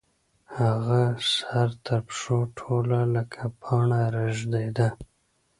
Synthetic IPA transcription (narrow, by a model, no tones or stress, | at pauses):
haɣasaɾt̪ʰaɾpʂoʈʰolaləkʰapʰɑɳaɾaʒd̪ajd̪a